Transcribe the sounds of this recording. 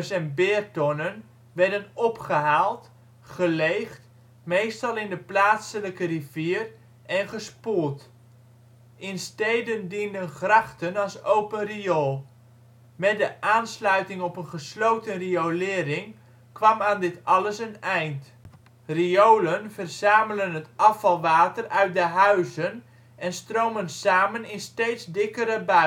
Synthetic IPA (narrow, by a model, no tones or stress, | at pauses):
sɛnbɪːrtɔnən | ʋɛɹdənɔpχəɦaːlˠt | χəlejχt | mejstɑlˠɪndəplaːtsələkəriv̥iːr | ʔɛnχəsput | ʔɪnstejdəndindənχrɑχtənɑlˠsowpənriolˠ | mɛtdəʔaːnslœɥtɪŋɔpənχəslowtənriowlɪːɾɪŋ | kʋɑmaːndɪtɑləsənɛjnt | riowlənv̥ərz̥aːmələnɦətʔɑfɑlˠʋaːtərœɥt̚dəɦœɥzən | ʔɛnstrowmənsaːmənɪnstejtzdɪkəɾəbœ